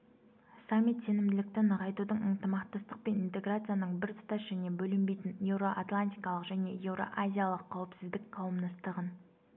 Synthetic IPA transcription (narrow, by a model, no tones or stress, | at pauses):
samʲːit̪se̞nɪmd̪ɪlɪk̚t̪ɪnəʁɑjt̪ud̪əɴənt̪əmɑqt̪ɑst̪əq̚pe̞nint̪e̞ɡrat̪sɨjanəɴbɪɾt̪ʰʊ̥t̪ɑsʒæne̞bɵlɪmbe̞jt̪ɪnje̞vɾo̞ʔat̪lˠanʲt̪ʲijkɑlˠəqʒæne̞̰je̞vɾo̞̰ʔazʲijalˠəqʰːɑwɪpsɪzd̪ɪkqʰɑlˠəmd̪ɑst̪əʁən